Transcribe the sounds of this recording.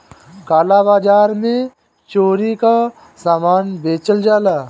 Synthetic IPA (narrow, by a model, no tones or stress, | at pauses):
kaːlabaːd͡ʒaːɾmẽ | t͡ʃoːɾika | saːmaːnbeːt͡ʃəld͡ʒaːlaː